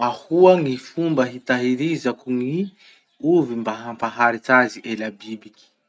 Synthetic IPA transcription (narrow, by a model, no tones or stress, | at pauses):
ahuaŋifumbəɦit̪aɦiɾizakuŋi | uvimbaɦampaɦaɾit͡saziʔelabibikʲi̥